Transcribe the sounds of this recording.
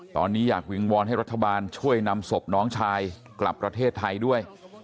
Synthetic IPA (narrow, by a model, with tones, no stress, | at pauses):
t̪ɔ̰ː˧nːiː˦˥jaː˨˩k̚wi˧ŋwɔː˧nɦa˥˩jɾa˦˥t̪ʰːa˧baː˧nt͡ɕʰu˥˩əjna˧mso˨˩p̚nɔː˦˥ŋt͡ɕʰaː˧j | kla̰˨˩pːɾa˧t̪ʰeː˥˩t̪ʰːa˧jdu˥˩əj